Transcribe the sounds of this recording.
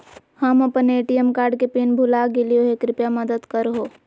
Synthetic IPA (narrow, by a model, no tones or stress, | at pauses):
həməpəneːʈijəmkaːɾɖkepinbʱulaɡelioɦekɾɪpjaməd̪əd̪kəɾɦo